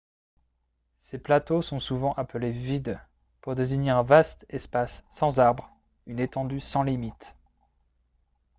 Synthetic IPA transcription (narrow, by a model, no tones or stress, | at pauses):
seplat̪osɔ̃suvɑ̃ʔapəlevid̪ | puʁd̪eziɲeɛ̃vast̪ɛspasːɑ̃zaʁbʁ | ynet̪ɑ̃d̪ysɑ̃limit̪